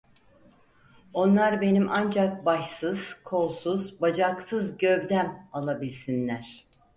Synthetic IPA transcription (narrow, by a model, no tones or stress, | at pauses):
o̞nlˠaɾbe̞nimʔand͡ʒak̚baʃsɯz̥kʰo̞lˠsuzbad͡ʒaksɯzɟøvd̪æmalˠabilʲsinlʲæɾ̥